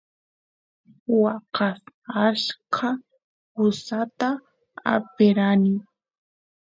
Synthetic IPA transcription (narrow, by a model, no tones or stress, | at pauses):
wɑqɑsaʃkʰa | hʊsat̪a | a̰pɪɾanɪ